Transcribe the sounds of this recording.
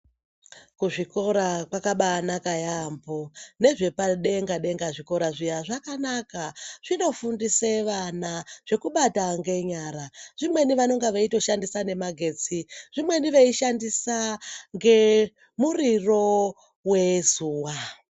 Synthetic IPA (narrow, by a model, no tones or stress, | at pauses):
kuʐiko̞ɾakwakaɓaːnakajambo̞ne̞ʐe̞paɗe̞ŋɡaɗe̞ŋɡaʐiko̞ɾaʐijaʐakanakaʐ̥ino̞fundiseʋanaʐ̥e̞kuɓataŋɡe̞ɲaɾaʐ̥imwe̞niʋano̞ŋɡaʋeito̞ʃandisane̞maɡʱe̞t͡siʐ̥imwe̞niʋe̞iʃandisaŋɡe̞ | muriro̞ | we̞zuːwa